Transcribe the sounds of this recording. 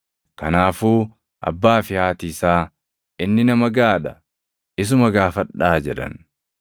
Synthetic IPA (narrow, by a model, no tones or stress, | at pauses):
kɐnaːfuː | ʔɐ̰bːaːfɪhaːt̪iːsaː | ʔɪnːɪnɐmɐɡaːᶑɐ | ʔɪs̬ʊmɐɡaːfɐᶑaːd͡ʒɛᶑɐ̰n